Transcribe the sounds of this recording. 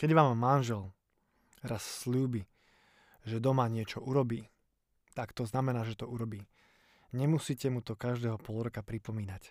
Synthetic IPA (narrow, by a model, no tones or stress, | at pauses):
kɛɟʋaːmːanʒɛl | ɾasːʎuːbi | ʒɛd̪ɔmaɲɪɛt͡ʃɔʔuɾɔbiː | t̪akt̪ɔznamɛnaːʒɛt̪ɔuɾɔbiː | ɲɛmusiːcɛmut̪ɔkaʒd̪ɛːɦɔpɔlɾɔkapɾipɔmiːnac